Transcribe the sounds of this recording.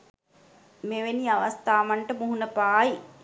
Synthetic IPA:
meʋeniaʋast̪aːʋaɳʈəmuɦunəpaːi

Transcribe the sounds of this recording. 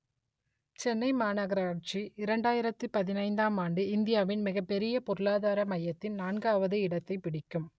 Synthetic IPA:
t͡ʃɛnːɐɪmaːnɐɣɐɾaːʈt͡ʃiɪɾɐɳɖaːjɪɾɐt̪ːɯpɐðɪnɐɪnd̪aːmaːɳɖɯɪnd̪ɪjaːʋɪnmɪɣɐpːɛɾɪjɐpɔɾɯɭaːðaːɾɐmɐjːɐt̪ːɪnnaːnɡaːʋɐðɯɪɽɐt̪ːɐɪpɪɽɪkːɯm

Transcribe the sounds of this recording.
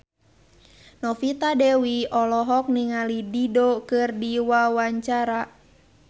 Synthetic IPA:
nɔfit̪adɛwiɔlɔɦɔk̚niŋalididokɨrdiwawaɲt͡ʃaɾa

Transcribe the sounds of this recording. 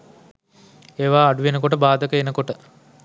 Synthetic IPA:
eːʋaːɖuʋenəkoʈəbaːd̪əkəenəkoʈə

